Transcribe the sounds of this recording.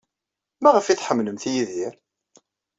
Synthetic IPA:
mæʁəfiθħəmːləmθjiðiɾ

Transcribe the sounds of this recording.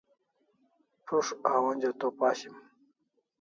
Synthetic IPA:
ʈ͡ʂʰuʂawonʲd͡ʑot̪opaːɕim

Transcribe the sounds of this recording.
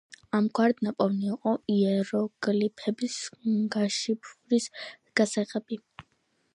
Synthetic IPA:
amɡʰwaɾd̪napʼɔvniːqʼɔiɛɾɔɡ̥lipʰɛbisɡaʃipʰuɾis | ɡ̥asɛʁʼɛbi

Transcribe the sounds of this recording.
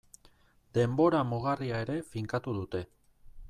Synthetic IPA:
d̪e̞mbo̞ɾamoɣ̞ariae̞ɾe̞fiŋkat̪uð̞ut̪e̞

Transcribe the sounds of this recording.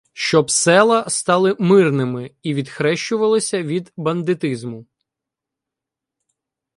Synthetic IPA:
ʃt͡ʃɔbsɛlˠɐst̪ɑlˠɪmɪrnɪmɪiʋʲid̪xɾɛʃt͡ʃʊʋɐlˠɐsʲɐʋʲid̪bɐnd̪ɪt̪ɪzmʊ

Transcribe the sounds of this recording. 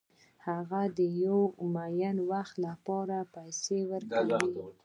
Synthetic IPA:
haɣad̪əjawmajanwaxt̪lapɑɾapajsewəɾkai

